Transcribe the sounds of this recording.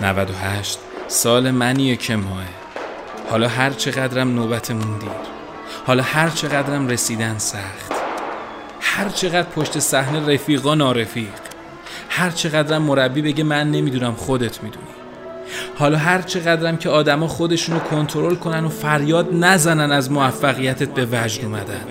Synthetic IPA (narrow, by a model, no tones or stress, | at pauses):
næ̰væd̪o̞ɦæʃt̪sɒːle̞mænijecʰe̞mɒːe | hɒ̰ːlɒːɦæɾt͡ʃʰe̞ɣæd̪ɾæmnoːbæt̪ʰe̞mund̪iːɾ | hɒːlɒːhæɾt͡ʃʰe̞ɣæd̪ɾæmre̞siːd̪ænsæχt̪ | hæɾt͡ʃʰeɣæd̪̥pʰoʃt̪e̞sæhne̞ɾefiːɣɒːnɒːɾefiːq | hæɾt͡ʃʰe̞ɣæd̪ɾæmːo̞ɾæbːiːbe̞ɟemænːe̞miːd̪uːnæmχo̞d̪e̞t̪ʰmid̪ṵni̥ | hɒːlɒːɦæɾt͡ʃʰe̞ɣæd̪ɾæmcʰe̞ɒːd̪æmɒːχo̞d̪e̞ʃuːnokʰo̞nt̪ʰoɾo̞lkʰo̞næno̞fæɾjɒːd̪næzænænæzmoæfːæɣijæt̪ʰet̪̚ʰbe̞væd͡ʒd̪uːmæd̪æn